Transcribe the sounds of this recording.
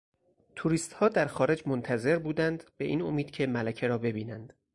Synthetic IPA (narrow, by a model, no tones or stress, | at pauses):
t̪ʰuɾiːst̪hɒːd̪æɾxɒːɾe̞d͡ʒmont̪ʰæze̞ɾbuːd̪ænd̪b̥e̞ʔiːno̞miːd̪̥̚cʰe̞mælæcʰe̞ɾɒːbe̞biːnænd̪̥